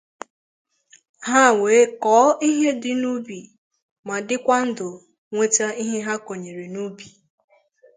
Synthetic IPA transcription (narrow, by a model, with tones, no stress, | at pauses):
ɦa˦˨weː˨˦kɔː˨˦i˦ɦe˦dɪ˦nu˦bi˨ | ma˨dɪ˦kʷa˦n̩˦dʊ˨ | ŋʷe˦ta˦i˦ɦe˦ɦa˦ko˨ɲe˨ɾe˨nu˦bi˨